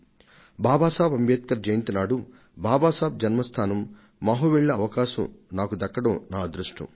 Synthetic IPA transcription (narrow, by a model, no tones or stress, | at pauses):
bʱaːbaːsaːbɐmjeːt̪kɐɾd͡ʒɐjnt̪inaːɽu | bʱaːbaːsaːb̚d͡ʒɐnmɐst̪ʰaːnɐmː | ɐɦuʋɛɭːɐːʋɐkaːʃɐmnaːkud̪ɐkːɐɽɐːnaːd̪ɾuʂʈṵ